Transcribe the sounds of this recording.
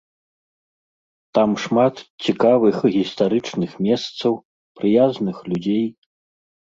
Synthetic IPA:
t̪amʂmat̪t͡sʲikavɨxɣʲist̪aɾɨt͡ʂnɨxmʲɛst̪sɐw | pɾɨjaznɨxlʲud͡zʲej

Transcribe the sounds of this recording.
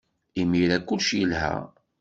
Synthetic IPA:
imiɾækːʊlʃjəlhæ̰

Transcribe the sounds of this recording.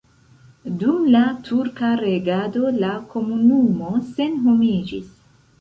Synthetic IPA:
dumlatʰuɾkaɾe̞ɡado̞lakʰo̞munumo̞se̞nɦomid͡ʒḭs

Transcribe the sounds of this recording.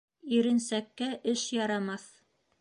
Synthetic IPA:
iɾɘ̆nsækːæʔɘʃjɑɾɑmɑθ

